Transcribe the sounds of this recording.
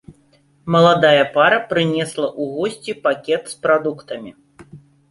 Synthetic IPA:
mɐlˠad̪ajɐpaɾɐpɾɨnʲɛslˠɐʔuɣɔsʲt͡sʲipakʲɛt̪spɾad̪ukt̪ɐmʲi

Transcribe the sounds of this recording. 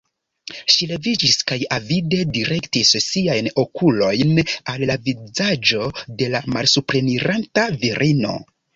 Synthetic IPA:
ʃile̞vid͡ʒiskajavide̞diɾe̞ktissiajno̞kulo̞jnalːavizad͡ʒo̞de̞lamalsupɾe̞niɾantaviɾʔino̞̰

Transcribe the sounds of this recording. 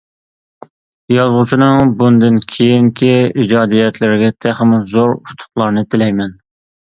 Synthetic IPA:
jɑzʁʊt͡ʃʰinɨŋbund̪ɨnkʲʰejiŋkʲʰiid͡ʒɑːd̪ijɛt̪ʰlɪɾɪɡʲɛt̪ʰæχmzoɾut̪ʰʊ̥χlˠɑɾnɨt̪ʰɪlɛjmɛn

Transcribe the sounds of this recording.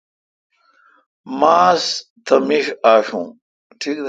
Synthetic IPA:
maːs | t̪ʰɐmiʂaːʂṵ̃ | ʈʰiːkd̪

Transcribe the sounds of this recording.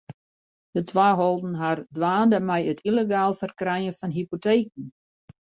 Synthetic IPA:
d̥ətʰʋaːɦɔlˠdn̩ɦardʋaːndəmɛjətʰileɡaːlˠfərkrɛjənfɔnɦipoteːk̚n̩

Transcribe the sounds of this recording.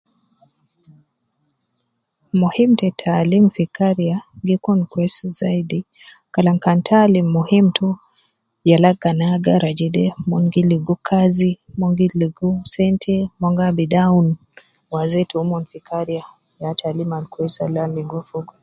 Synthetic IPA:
muhimtɛtʰalimfikaɾiaŋɡikunkwɛszaidi | kalaŋkantʰalimuhim̩tʰu | jalaɡanaɡaɾad͡ʒɛdɛmɔŋɡiliɡukʰazimɔŋɡiliɡusɛntʰɛmɔŋɡabidawn | wazɛtuumɔnfikaɾia | jatʰalimankwɛsa̰laniɡɔfuk

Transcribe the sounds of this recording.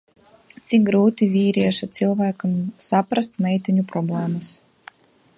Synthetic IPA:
t̪sik̚ɡɾuːt̪ivʲiːɾʲiɛʃat̪silˠvæːkamsapɾast̪mɛjt̪iɲʲupɾɔblɛːmɨs

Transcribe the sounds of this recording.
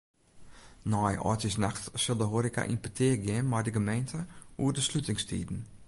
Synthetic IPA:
nɔjʔɔ̰təsnaxtsɪlˠdəɦoɾika̰ʔḭnpitʰɪəɡɪənmajdəɡəmejntʰəuərdəslutɪŋstʰḭːdn̩

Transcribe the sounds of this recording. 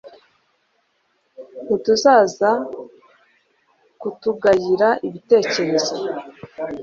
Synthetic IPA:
hutuzaːza | kutuɡajiɾaʔiβite̞ːce̞ɾe̞zo

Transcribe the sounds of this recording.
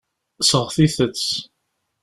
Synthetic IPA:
səʁθiθət͡sː

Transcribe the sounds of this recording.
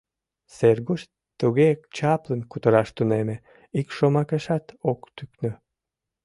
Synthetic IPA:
serɣoʃ | t̪uɣekt͡ɕɑplənkut̪əɾɑʃt̪uneme | ikʃomɑkeʃɑt̪okt̪yknø

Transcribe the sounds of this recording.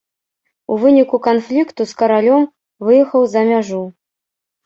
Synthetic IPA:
uvɨnʲikukanflʲikt̪uskɐɾalʲɔm | vɨjɛxɐwzɐmʲaʐu

